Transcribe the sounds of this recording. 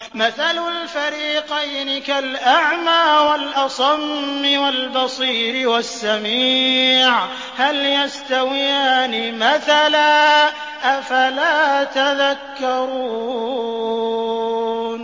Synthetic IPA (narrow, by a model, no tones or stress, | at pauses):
maθalʊlfaɾiːqɑjnɪkalʔaʕmaːwalʔɑsˤɑmːɪwalbɑsˤiːɾɪwasːamiːʕ | haljast̪awɪjaːnɪmaθalaː | ʔafalaːt̪aðakːɑɾˤuː | n